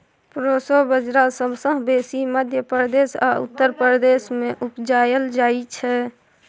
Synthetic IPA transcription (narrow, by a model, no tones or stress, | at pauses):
pɾosobəd͡ʒɾasəbsə̃ɦbesiməd̪ʱjəpəɾd̪eːsa̰ṵt̪ːəɾpəɾd̪eːsmẽʔupd͡ʒaːjəld͡ʒaːit͡ʃʰɛ